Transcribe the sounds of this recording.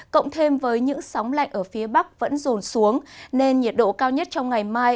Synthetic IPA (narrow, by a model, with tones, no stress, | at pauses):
kə̰˧˨wŋ͡mt̪ʰe˧mvəː˨˦jɲɨ̰˧˥ŋsɔ˨˦wŋ͡mla̰˧˨jŋ̟ʔəː˧˩fi˨˦əɓa˦˥k̚və̰˧˥nzo˨˩nsu˨˦əŋne˧nɲi˨˩t̚ɗo̰˧˨kaː˧wɲə˦˥t̚t͡ɕɔ˧wŋ͡mŋa˨˩jmaː˧j